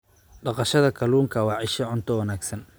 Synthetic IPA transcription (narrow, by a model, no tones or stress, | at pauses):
ɖɑqɑʃɐðɐkʰɐluːŋkʰɐwɑʕɪʃɐʕʊnt̪ʰɔwɐnaːɡsɐn